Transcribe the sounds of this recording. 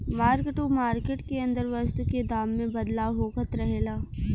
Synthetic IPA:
maːɾkʈumaːɾkeʈkeɐ̃nd̪əɾʋəst̪uked̪aːmːẽbɐd̪laːʋɦoːkət̪ɾɐɦeːlaː

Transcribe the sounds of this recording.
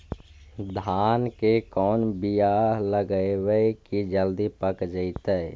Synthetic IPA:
d̪ʱaːnkekɔːnbijaːləɡəewəekid͡ʒəld̪ipəkd͡ʒəit̪ə

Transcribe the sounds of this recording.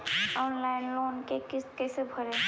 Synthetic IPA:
ɔːnlaɪnloːnkekɪskɛsebʱəɾe

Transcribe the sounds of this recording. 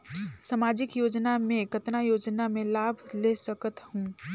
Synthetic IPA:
samad͡ʒɪkjoːd͡ʒnamẽkət̪najoːd͡ʒnamẽlaːbʱlesəkət̪hũ

